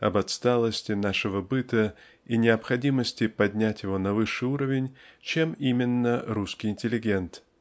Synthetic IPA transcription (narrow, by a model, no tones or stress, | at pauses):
ɐbɐt̪st̪alˠəsʲtʲɪnaʂɨvəbɨt̪ə | inʲɪɐpxɐdʲiməsʲtʲɪpɐdʲnʲætʲjɪvo̞nɐvɨʂːɨuɾəvʲɪnʲt͡ɕe̞mimʲɪnːəɾuskʲɪjɪnʲtʲɪlʲɪɡʲe̞nt̪